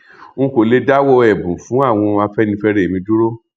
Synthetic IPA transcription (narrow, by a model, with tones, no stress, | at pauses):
ũ˦˧ko˨le˧da˦wɔ˦˧ɛ˨bũ˨fũ˨˦a˦˨w̃ɔ̃˧a˧fɛ˦nĩ˧fɛ˧ɾe˦˨mĩ˧˦du˦ɾo˦